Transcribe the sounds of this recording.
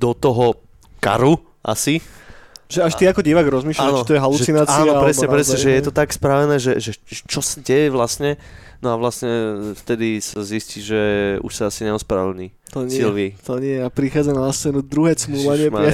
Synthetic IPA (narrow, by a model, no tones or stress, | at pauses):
d̪̥ɔt̪ɔɦɔ | ka̰ɾu | ʔa̰si | ʒɛaʃtiakɔɟiʋaɡɾɔzmiːʃlaːnt̪ɔjɛɦaluʒsinaːt͡saːiaɔɾɛsɲɛpɾɛsɲɛʒɛjɛt̪ɔt̪akspɾaʋɛnɛːʒɛʒɛt͡ʃɔsaɟɛjɛʋlasɲɛ | nɔaʋlasɲɛft̪ɛd̪isazisciʒɛṵʃsaasiɲɛɔspɾa̰ʋɛlɲiː | t̪ɔɲsɪilʋit̪ɔɲɪɛjɛapɾixaːd͡zanaast͡sɛnud̪ɾuɦɛːt͡smulaɲɪɛm